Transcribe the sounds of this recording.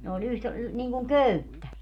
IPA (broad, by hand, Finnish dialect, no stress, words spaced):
ne olʲ yht niŋkuŋ køytːæ